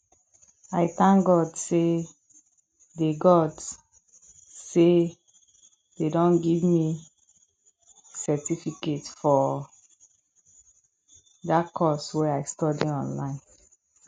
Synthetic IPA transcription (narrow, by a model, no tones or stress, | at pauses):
aɪθãŋɡɔdse | deɡɔd | se | dedɔ̃nɡivmi | sɛtifiketfɔ | dakʰɔswɛaɪstɔdiɔ̃nlãɪ̃n